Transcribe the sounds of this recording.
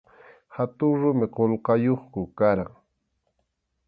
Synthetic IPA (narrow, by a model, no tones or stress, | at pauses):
hat̪ʊŋɾʊmɪqolqɑjoχkʊkaɾaŋ